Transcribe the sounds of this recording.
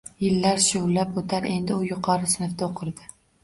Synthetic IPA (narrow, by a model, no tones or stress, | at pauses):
jɪlːaɾʃʊlːapot̪ʰaɾe̞nd̪ɪʊjʊqʰɒɾɪsɪnɪfd̪aoqʰɨɾd̪ɪ